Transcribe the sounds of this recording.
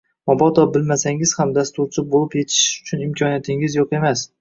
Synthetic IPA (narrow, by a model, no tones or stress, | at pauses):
mɒbɒt̪ʰɒbɪlmasaŋɪz̥hamd̪ast̪ʊɾt͡ʃʰɪbolˠɪpje̞t̪ʰɪ̥ʃʊ̥t͡ʃʰʊnɪmkʲʰɒnijat̪ʰɪŋɪzjoqe̞mas